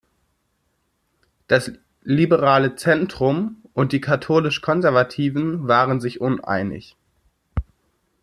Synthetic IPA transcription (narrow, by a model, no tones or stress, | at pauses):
d̥as | libəʁaːlət͡sɛntʁ̥ʊmʔʊnt̚d̥iːkʰatʰoːlɪʃkʰɔnzɛɐvatʰiːvn̩vaːʁənzɪçʔʊnʔa̰ɪnɪ̰ç